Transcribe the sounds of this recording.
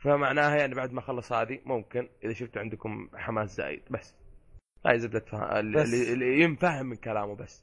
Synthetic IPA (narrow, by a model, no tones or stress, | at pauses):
famaʕnaːhajaʕnibaʕd̪maxɑlːɑsˤhaːðimʊmkɪnʔɪðaʃʊft̪ʕɪnd̪ʊkʊmħamaːsza̰ːjɪ̰d̪̥basː | ɣa̰ːjzabd̪at̪fa̰ɪllːijɪnfahɪmːɪnkalaːmubasː